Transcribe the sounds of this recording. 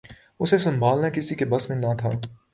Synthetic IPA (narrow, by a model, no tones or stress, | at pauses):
ʊsesɐ̃mbʱaːlnakɪsikebɐsmẽnat̪ʰaː